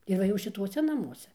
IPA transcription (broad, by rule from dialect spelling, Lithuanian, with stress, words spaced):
ɪr ˈʋɐ jɛʊ ʃʲɪˈtuɔsʲɛ nɐˈmuɔsʲɛ